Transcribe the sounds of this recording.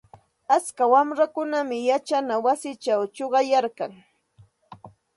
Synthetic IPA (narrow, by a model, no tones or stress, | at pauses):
at͡skawamɾakʊnamɪjat͡ʃanawasɪt͡ʃawt͡ʃoɢɑjaɾkaŋ